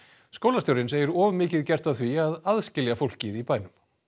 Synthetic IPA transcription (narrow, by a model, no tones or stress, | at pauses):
skoːwlast̪jowɾɪnseːjʏɾɔːvmɪːcɪðcɛr̥t̪aθviaðaðscɪljafowl̥cɪðipaːjnʏm